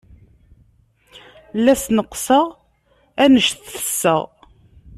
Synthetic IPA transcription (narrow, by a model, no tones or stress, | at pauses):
lːæsnəqːsəʁ | ænəʃθːə̥sːə̰ʁ